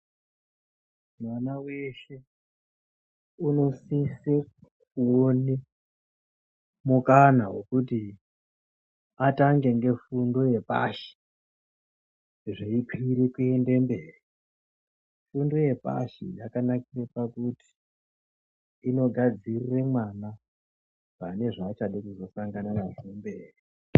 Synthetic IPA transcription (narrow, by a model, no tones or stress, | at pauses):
mwanawe̞ʃe̞ | uno̞sisekuone | mukanaɦwe̞̰kuti | ataŋɡe̞ŋɡe̞fundo̞je̞pa̰ːʃe̥ | ʐeikʰwiɾekuende̞mbeːri | fundo̞je̞pa̰ʃijakanakirepakuti̥ | no̞ɡʱad͡zirire̞mwana | pane̞ʐaːt͡ʃaɗekuzo̞saŋɡananazembe̞ːri